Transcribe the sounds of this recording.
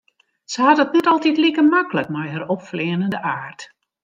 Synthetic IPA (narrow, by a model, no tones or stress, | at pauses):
səhatɔtnɛtɔlˠtitlikərmakələkmɔjhərɔpflɪənəndəʔaːrt